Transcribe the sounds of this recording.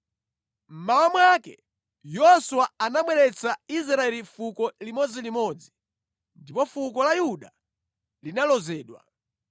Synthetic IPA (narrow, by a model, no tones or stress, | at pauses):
m̩mawamwakɛ | jɔsuwaanamwɛɾɛt͡sais̬ɾaɛlifukɔlimɔd͡zilimɔd͡zi | ndipɔfukɔlajuɗa | linalɔzɛːɗwa̰